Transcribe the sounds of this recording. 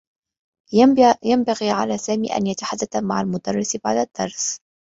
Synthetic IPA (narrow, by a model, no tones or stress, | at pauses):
jambaɣiːʕa̰laːsaːmḭːʔa̰njat̪aħad̪ːaθamaʕalmʊd̪ɑrˤːɪsbaʕd̪ad̪̥ːɑ̰ɾˤs